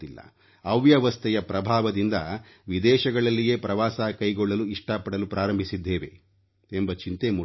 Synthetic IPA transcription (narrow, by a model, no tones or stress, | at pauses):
ilːɐ̰ | ɐʋjɐʋɐst̪ʰɛjɐpɾɐbʱaːʋɐd̪ind̪ɐ | ʋid̪ɛːʃɐɡɐɭɐlːije̞ːpɾɐʋaːsaːkɐjɡɔɭːɐluiʂʈɐpɐɽɐlupɾʔaːɾɐmbʱisid̪ːeːʋe̞̰ | embɐt͡ʃint̪eːmu